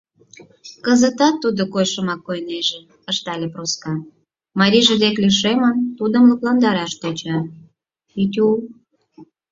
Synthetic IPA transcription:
kəzət̪ɑt̪ːud̪okojʃəmɑkːojneʒe | əʃt̪ɑlʲeproskɑ | mɑɾʲiʒĕd̪eklʲiʃemənt̪ud̪əmluklɑnd̪ɑɾɑʃt̪et͡ɕɑ | it̪ʲul

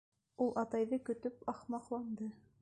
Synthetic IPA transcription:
ulˠʔɑt̪ɑjðɤkɵ̆t̪ɵpɑχmɑqlˠɑnd̪ɤ

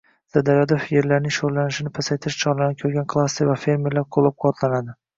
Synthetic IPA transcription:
z̥ad̪aɾad̪ofje̞ɾlaɾnɪŋʃoɾlanɪʃɪnɪpʰasajt̪ʰɪʃt͡ʃʰɒlˠɪnɪkʲʰɵɾɡʲankʰlˠasːevafe̞ɾme̞ɾlaɾqʰolˠːap̚qʰoɒt̪ʰlanad̪ɪ

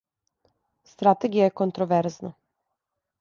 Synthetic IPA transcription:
st̪ɾat̪eɡijajekont̪ɾoʋeɾzna

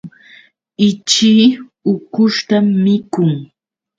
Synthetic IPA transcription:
ɪt͡ʃiː | ʊkʊʃt̪amːɪkʊŋ

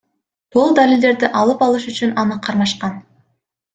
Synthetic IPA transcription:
b̪ulˠd̪alilʲd̪e̞ɾd̪iʔɑlˠɯpɑlˠɯʃyt͡ʃynɑnɯqʰɑɾmɑʃqɑn

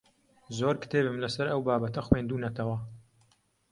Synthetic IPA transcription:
zoːɾkɨ̥t̪ʰeːbɨmlɐsɐɾɐwbaːbɐt̪ɐxwend̪uːnɐt̪ʰɐwɐ

